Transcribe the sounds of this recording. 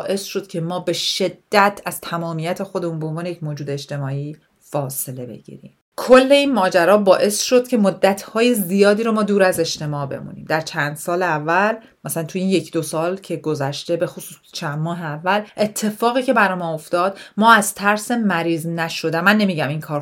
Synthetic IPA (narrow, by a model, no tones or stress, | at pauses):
ʔe̞sʃo̞d̪̥̚cʰe̞mɒːbe̞ʃe̞d̪̥ːæt̪ʰæz̥t̪ʰæmɒːmijæt̪ʰexo̞d̪e̞munbeonvɒːnejecʰmoːd͡ʒuːd̪e̞ːʃt̪e̞mɒːiː | fɒːse̞le̞be̞̰ɟḭːɾḭːm | kʰolːe̞inmɒːd͡ʒæɾɒːbɒːʔe̞sʃo̞d̪̥̚cʰe̞mod̪ːæt̪ʰhɒːje̞zijɒːd̪iːɾomɒːd̪uːɾæze̞ʃt̪e̞mɒːbe̞̰mṵnḭːmd̪æɾt͡ʃʰænd̪̥sɒːleævːæl | mæsælænt̪ʰujiːnje̞cʰd̪osɒːlcʰe̞ɡozæʃt̪e̞be̞xosuːst͡ʃʰænd̪mɒːɦeævːælʔe̞t̪ʰːe̞fɒːɣiːcʰe̞bæɾɒjmɒːoft̪ɒːd̪̥mɒːæz̥t̪ʰæɾse̞mæɾiːznæʃo̞d̪æmænːe̞miːɟæmiŋkʰɒːɾ